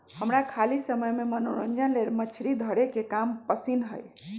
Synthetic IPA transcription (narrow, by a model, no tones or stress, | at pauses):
həmɾakʰalisəməjmemənoɾənd͡ʒənleɾmət͡ʃʰɾid̪ʱəɽekekampəsinɦə̰j